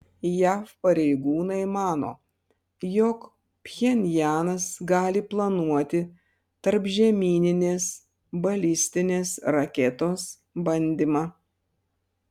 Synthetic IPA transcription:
jæːfpɐɾʲɛɪɡuːnɐɪmɑːno̰ː | jɔk | pʲjɛnʲjæːnɐsɡɑːlʲɪplˠɐnuɔt̪ʲɪ | t̪ɐɾpʒʲɛmʲiːnʲɪnʲeːs | bɐlʲɪsʲt̪ʲɪnʲeːsɾɐkʲɛt̪oːs | bɐnʲd̪ʲɪmɑ

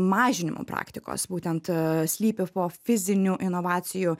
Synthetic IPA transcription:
mɑːʒʲɪnʲɪ̰mʔʊ̰pɾɑ̰ːkt̪ʲɪko̰ːsbuːt̪ʲɛnt̪sʲlʲiːpʲɪpoːfʲɪzʲɪnʲuʔɪnoʋɑːt̪sʲɪju

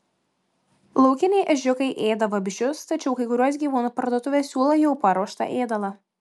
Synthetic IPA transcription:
lˠɐʊkʲɪnʲɛɪʔɐʒʲʊkɐɪʔeːd̪ɐʋɐbʲɪʒʲʊst̪ɐt͡ʃʲɛʊkɐɪkʊɾʲuɔs̬ɡʲiːʋuːnʊpɐɾd̪uɔt̪ʊʋʲeːsʲuːlˠojɛʊpɐɾuɔʃt̪ɐ̰ʔeːd̪ɐlˠɐ

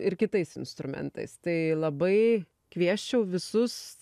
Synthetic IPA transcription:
ɪɾkʲɪt̪ɐɪsɪnst̪ɾʊmʲɛ̰nt̪ɐ̰ɪst̪ɐɪlˠɐbɐɪ | kʋʲiɛʃʲt͡ʃʲɛʊʋʲɪsʊs

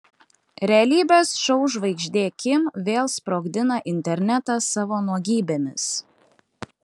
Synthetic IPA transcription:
ɾʲɛɐlʲiːbʲeːsʃɔʊʒʋɐɪɡʒʲd̪ʲeːkʲɪmʋʲeːlˠspɾoːɡd̪ʲɪnɐʔɪnʲt̪ʲɛɾʲnʲɛt̪ɑsɑːʋoːnuɔɡʲiːbʲemʲɪ̰s

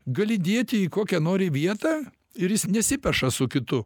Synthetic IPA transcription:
ɡɐlʲɪd̪ʲeɛt̪ʲɪikoːkʲɛnoːɾʲɪʋʲiɛt̪ɑː | ɪɾjɪsnʲɛsʲɪpʲɛʃɐsʊkʲɪt̪ʊ

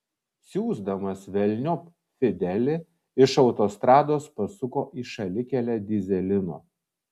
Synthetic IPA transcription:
sʲuːzd̪ɐmɐsʋʲɛlʲnʲop | fʲɪd̪ʲɛlʲɪ | ɪʃɒʊt̪oːst̪ɾɑːd̪oːspɐsʊkoːʔiːʃɐlʲɪkʲɛlʲɛd̪ʲɪzʲɛlʲɪno̰ː

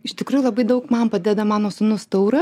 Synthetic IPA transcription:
ɪʃt̪ʲɪkɾuːjulˠɐbɐɪd̪ɐʊkmɐnpɐd̪ʲɛd̪ɐmɑːnoːsʊnʊst̪ɐʊɾɐ

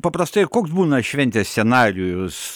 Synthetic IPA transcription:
pɐpɾɐst̪ɐɪkoːksbuːnɐʃʲʋʲɛnʲt̪ʲeːsʲsʲɛnɑːɾʲɪjʊs

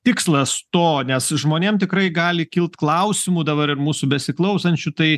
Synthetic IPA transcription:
t̪ʲɪkslˠɐst̪oːnʲɛsʒmoːnʲeːmt̪ʲɪkɾɐɪɡɑːlʲɪkʲɪlˠt̪klˠɐʊsʲɪmuːd̪ɐbɐɾɪɾmuːsubʲɛsʲɪklˠɐʊsɐnʲt͡ʃʲut̪ɐɪ

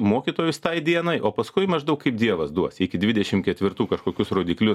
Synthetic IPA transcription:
moːkʲiːt̪oːjʊst̪ɐɪd̪ʲiɛnɐɪʔoːpɐskʊɪmɐʒd̪ɐʊkɐɪpd̪ʲiɛʋɐsd̪uɔsɪkʲɪd̪ʲʋʲɪd̪ʲɛʃʲɪmkʲɛt̪ʲʋʲɪɾt̪uːkɐʃkoːkʲʊsroːd̪ʲiːklʲʊ

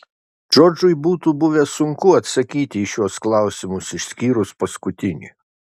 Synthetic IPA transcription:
d͡ʒoːd͡ʒʊɪbuːt̪uːbʊʋʲɛsʊŋkʊɐt̪sɐkʲiːt̪ʲɪːʃʲuɔsklˠɑˑʊsʲɪmʊsɪʃʲsʲkʲiːɾʊspɐskʊt̪ʲɪnʲḭ

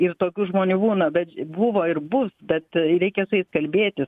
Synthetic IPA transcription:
ɪrt̪oːkʲuːʒmoːnʲuːbuːnɐbʲɛt̪bʊʋoːɪrbʊsbʲɛt̪ɾʲɛɪkʲɛsʊjɛɪskɐlʲbʲeːt̪ʲɪs

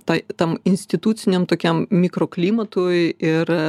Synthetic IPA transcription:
t̪ɐt̪ɐmɪnʲsʲt̪ʲɪt̪uːt̪sʲɪnʲɛmt̪oːkʲɛmmʲikɾoːklʲiːmɐt̪ʊɪɪɾ

